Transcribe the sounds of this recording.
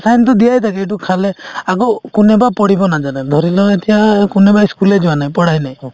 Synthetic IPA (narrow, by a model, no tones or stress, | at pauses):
sajnt̪ɔd̪iajt̪ʰakeeʈ̬ukʰaleaɡɔkunebapɔɽibɔnad͡ʒaned̪ʱɔɾilɔet̪ʰijakunebaiskuled͡ʒiwanaɦĩpɔɽajnaĩ